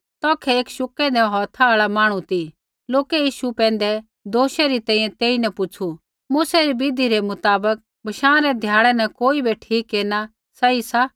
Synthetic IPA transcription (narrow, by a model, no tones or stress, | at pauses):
t̪ɔːkʰɛeːkʃʊkɛ̃d̪ɛɦɔːt̪ʰaaːɭamaːɽ̃ũt̪i | loːkɛjiːʃupɛ̃ːn̆d̪ɛ | d̪oːʃɛɾit̪ɛ̃ːĩːjɛ̃t̪eːinɛpʊt͡ʃʰu | muːsɛɾibid̪ʱiɾɛmʊt̪aːbək̚ | bʱɐʃãːɾɛd̪ʱjaːɽ̃ɛnɐkoːibeʈʰiːkːeːna | sɐisa